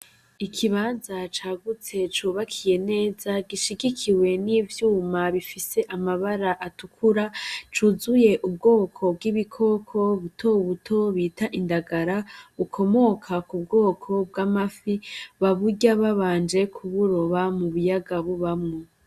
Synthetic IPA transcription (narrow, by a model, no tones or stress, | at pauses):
ikʰiβaːnzat͡ʃaːɡut͡se̞t͡ʃuːβakʰije̞ne̞ːzaɡiʃiɡikʰiwe̞nivjuːmaβifise̞ʔamaβaɾaʔatukʰuɾat͡ʃuːzuje̞ʔubɡo̞ːkʰo̞b̚ɡiβikʰo̞kʰo̞βutʰoβutʰo̞βiːtaʔindaɡaɾaβukʰo̞mo̞kʰakub̚ɡo̞ːkʰo̞b̚ɡamafiβaβuɟaβaβaːnd͡ʒe̞kʰuβuɾo̞βamuβujaɡaβuβamŋo